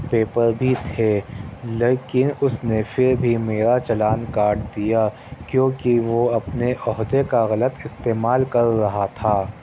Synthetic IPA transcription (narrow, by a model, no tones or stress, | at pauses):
peːpəɾbʱit̪ʰeːleːkɪnʊsnefɪɾbʱimeːɾat͡ʃɐlaːnkaːɾʈd̪ija | kjõːkiʋoɐpneʔɔɦd̪ekaɣɐlət̪ɪst̪eːmaːlkɐɾːɐɦat̪ʰaː